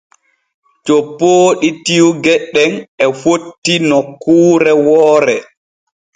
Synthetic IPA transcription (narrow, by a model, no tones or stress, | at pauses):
t͡ʃopːoːɗitiwɡɛɗːɛnɛfotːinɔkʰːuːɾɛwɔːɾɛ